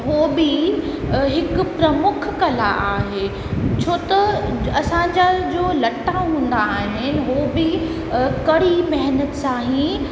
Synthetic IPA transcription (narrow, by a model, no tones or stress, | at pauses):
ɦoːbi | ɦɪkʊ̆pɾɐmʊkʰkɐla̰ʔaːɦeː | t͡ɕʰoːt̪ɐɐsãɲd͡ʑad͡ʑoːlɐʈʰːaɦũːn̆d̪aːɦɪnɪnɪɦobɪ | kɐɽ̤imɛɦnət̪sãːɦĩ